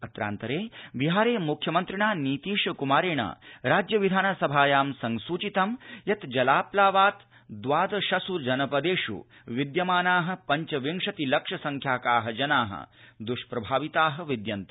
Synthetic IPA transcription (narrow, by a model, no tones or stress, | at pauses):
ɐt̪ɾa̰ːnt̪ɐɾeːbiɦaːɾeːmukʰjɐmɐnt̪ɾiɳaːniːt̪iːʂkumaːɾeːɳa̰ːɾaːd͡ʒjɐʋid̪ʱaːnɐsɐbʱaːjaːmsɐŋsuːt͡ʃit̪ɐmjɐt̪d͡ʒɐlaːplaːʋaːt̪ | d̪ʋaːd̪ɐʃɐsuɾd͡ʒɐnɐpɐd̪eːʂṵʋid̪jɐmaːnaːɦɐ̆pɐɲt͡ʃɐʋiŋʂɐt̪ilɐkʂɐsɐŋkʰjaːkaːɦɐd͡ʒɐnaːɦɐ̰d̪uʃpɾɐbʱaːʋit̪aːɦɐ̆ʋid̪jɐnt̪ɐ̥